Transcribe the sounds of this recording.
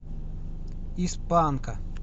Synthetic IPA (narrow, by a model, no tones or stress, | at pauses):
ispankɐ